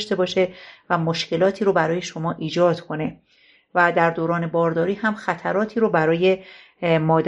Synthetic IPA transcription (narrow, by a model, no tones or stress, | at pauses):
ʃt̪e̞bɒːʃevæmo̞ʃkcʰe̞lɒːt̪ʰiːɾobæɾɒːje̞ʃo̞mɒːʔiːd͡ʒɒːd̪̥kʰo̞ne̞ | væd̪æɾd̪oːɾɒːne̞bɒːɾd̪ɒːɾiːhæmxæt̪ʰæɾɒːt̪ʰiːɾobæɾɒːje | mɒːd̪